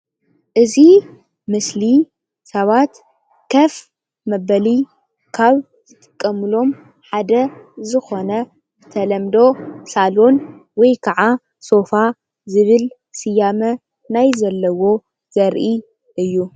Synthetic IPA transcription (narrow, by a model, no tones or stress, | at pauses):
ʔɨzi | mɨsli | sɐβat̪ | kʰɐf | mɐβɐli | kʰaβ | zɨt̪ʼɨ̥kʼːɐmɨlo̞m | ħad̪ɐzɨxo̞nɐ | ɨt̪ʰɐlɐmd̪o̞salo̞nwɔjkʰaʕa | so̞fa | zɨβɨl | sɨjamɐ | najzɐlːɐwo̞ | z̥ɐɾʔi | ʔɨjːu